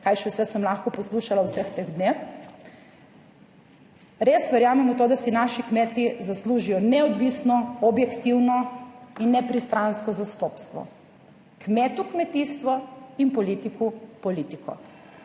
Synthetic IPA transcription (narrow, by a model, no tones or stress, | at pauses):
kajʃɛwsɛsəmlaxkɔpɔsluʃalawsɛxt̪eɣd̪nex | ɾesʋɛɾjaːmɛmɔt̪oːd̪asinaʃikmɛt̪izasluʒijɔnɛɔd̪ʋisnɔɔbjɛkt̪iwnɔinːɛpɾist̪ɾanskɔzast̪ɔːpst̪ʋɔ̰ | kmɛːt̪ukmɛt̪iːst̪ʋɔinpɔlit̪ikupɔlit̪ikɔ̰